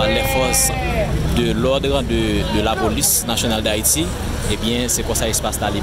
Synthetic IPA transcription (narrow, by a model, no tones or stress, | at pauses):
alɛfɔs | d̪əlɔd̪ʁd̪əd̪əlapolisnasjonald̪ait̪i | ebjɛ̃sɛkɔ̃saespastali